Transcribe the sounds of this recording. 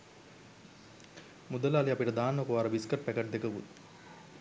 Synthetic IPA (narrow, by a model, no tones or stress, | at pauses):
mud̪əlːliapiʈəd̪aːnɐkuʋaːɾɐʋiskɐrpækɐʈd̪ekəʋut̪